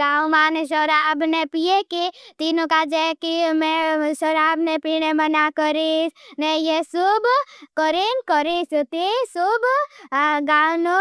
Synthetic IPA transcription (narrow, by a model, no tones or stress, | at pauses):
ɡaːumaːneʃ̬ɔɾaəbnepijekit̪iːnõkad͡ʒɛkimeʃɔɾaəbnepinemənakəɾesnejesubkəɾenkəɾisut̪isub | ɡaːwno